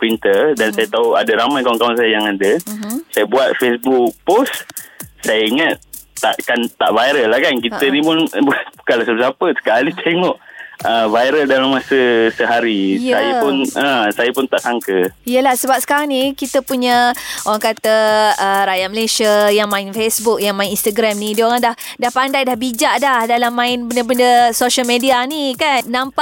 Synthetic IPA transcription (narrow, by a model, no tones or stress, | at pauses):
pɾint̪ədansajat̪aua̰dəɾamajkawanŋkawansajəjaŋadəsajəbuat̪̚fesbuk̚possajaiŋat̪aʔkant̪a̰ʔvaiɾəlːahkankit̪ənĩpʊnbuat̪bukalasapsapəsə̥kalit̪ʰeŋɔʔəvajɾəldalamːasəsəɦaɾijsajəpunə̃sajəpʊnt̪aʔsaŋkəijəlahsəbap̚sə̥kaɾaŋnikit̪əpuɲə̃oɾaŋkat̪əəɾajaʔməlesiəjaŋmãɪnfesbuk̚jaŋmaɪ̃ninst̪əɡɾamnĩdioɾaŋdah | dahpandajdahbid͡ʒaʔdahdalamːãɪnbəndəbəndəsoʃəlmedianikanːampa